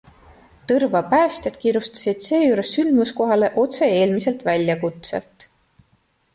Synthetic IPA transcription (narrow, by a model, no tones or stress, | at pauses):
t̪ɤrvɑpæːsʲt̪ʲjɑd̪̥kiːɾjust̪ɑ̥sid̪̥se̞ːjuːɾe̞sːylmusko̞ɦɑle̞ʔo̞t̪se̞e̞ːlmise̞lt̪vælʲjɑkut̪sḛlt̪ˑ